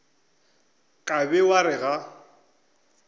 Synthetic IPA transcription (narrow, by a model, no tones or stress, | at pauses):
kʼabɛwaɾɪɣa